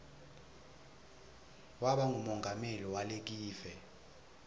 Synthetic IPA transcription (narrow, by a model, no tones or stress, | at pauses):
waɓaŋʱumɔŋʱameliwalek̬iːvɛ